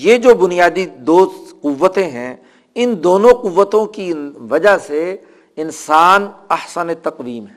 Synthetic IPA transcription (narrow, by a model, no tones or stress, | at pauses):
jed͡ʒoːbʊnijaːd̪id̪oːsqʊʋːət̪ẽɦɛ̃ | ɪnd̪oːnõqʊʋːət̪õkiʋɐd͡ʒaɦse | ɪnsaːnɐhsənet̪ɐqʋiːmɦɛ̃